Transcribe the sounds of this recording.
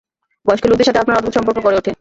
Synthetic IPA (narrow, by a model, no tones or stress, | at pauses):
bɔeʃkelud̪eʃat̪ʰeap̚naɾɔt̪ot̪ʃɔmpoɾkokoɾeoʈʰe